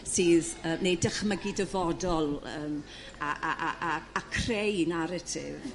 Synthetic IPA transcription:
sɨːðəːnejdəχməɡidəvɔdɔlˠəːm | aaʔaaakʰrejnaɾətʰɪ̰v

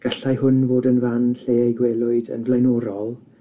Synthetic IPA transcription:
ɡ̥aɬajhʊnvoːdənvanɬeːejɡwɛːlˠʊɨdə̰nvlˠajnɔːɾɔlˠ

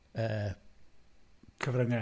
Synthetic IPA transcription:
əː | kʰəvrəŋɛ

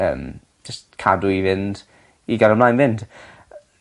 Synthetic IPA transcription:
ə̰ːm | d͡ʒəstkʰadʊivɪnd̥ | iɡaɾəmlˠajnvɪnd̥

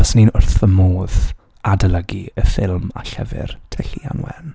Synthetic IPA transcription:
əsninʊrθvəmoːð | adələɡiəfɪlˠma̰ɬɛvɪ̰rtʰəɬia̰nwɛ̰n

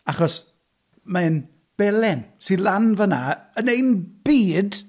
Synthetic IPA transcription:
aχɔs | man | b̥ɛlɛnsilˠanvənaənejnb̥iːd

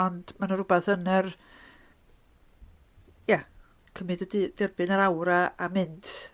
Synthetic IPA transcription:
ɔnd̥manəɾʊbaθənɛr | ja | kʰəmɨddid̥ɪrbɨnəɾawɾaamɪntʰ

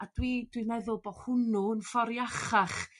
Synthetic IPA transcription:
ad̥wid̥winɛðʊlˠbɔhʊnuənfɔɾjaχaχ

